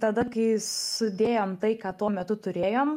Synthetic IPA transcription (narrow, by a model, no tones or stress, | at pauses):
t̪ɐd̪ɐkɐɪsʊd̪ʲeːjoːmt̪ɐɪkɑːt̪uɔmʲɛt̪ʊt̪ʊɾʲeːjoːm